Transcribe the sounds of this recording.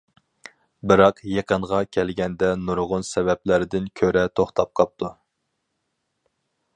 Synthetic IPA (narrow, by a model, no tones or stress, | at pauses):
bɨɾɑqjeqʰəɴʁɑkʲʰɛlɡʲɛnd̪ɛnuɾʁʊnsɛvɛplæɾɪd̪ɪnkʲʰøɾɛt̪ʰoχt̪ʰɑp̚qʰɑp̚t̪ʰu